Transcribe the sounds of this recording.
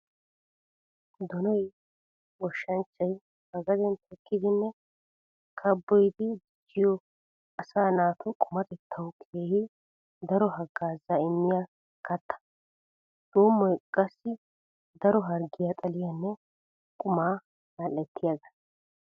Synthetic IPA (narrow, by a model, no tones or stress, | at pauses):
d̪ɔnɔj | wɔʃːɐnt͡ʃʼːɐj | hɐɡɐd̪ɛnt̪ɛkʰːɪd̪ɪnːɛ | kʰɐbːɔjd̪ɪd̪ɪd͡ʒːɪjɔ | ɐsaːnaːt̪ʰɔkʼʊmɐt̪ɛt̪ʰːɐwkʰeːhɪ | d̪ɐɾɔɦɐɡaːzaɪmːɪja | kʰɐt̪ːɐ̥ | d̪̥oːmːɔjkʼɐsːɪ | d̪ɐɾɔɦɐɾɡɪjat̪ʼɐlɪjanːɛ | kʼʊmaː | nalːɛt̪ːɪjaɡɐ